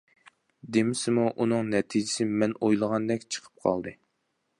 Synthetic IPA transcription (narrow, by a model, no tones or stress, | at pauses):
d̪emɪsɪmuʔunɨŋnɛt̪ʰid͡ʒɪsɪmɛnojlˠəʁɑnd̪ɛkʲt͡ʃʰə̥qʰə̥p̚qʰɑ̰lˠd̪ɨ